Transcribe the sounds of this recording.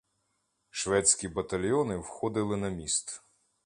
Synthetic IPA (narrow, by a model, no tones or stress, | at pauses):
ʃʋɛt͡sʲkʲibɐt̪ɐlʲjɔnɪwxɔd̪ɪlˠɪnɐmʲist̪